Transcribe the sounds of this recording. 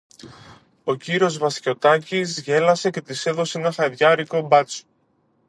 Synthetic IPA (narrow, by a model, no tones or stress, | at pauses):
o̞ciɾio̞zvɐsco̞t̪ɐcizʝe̞lɐse̞ce̞t̪ise̞ðo̞seenɐxɐeðʝɐɾiko̞bɐt͡so̥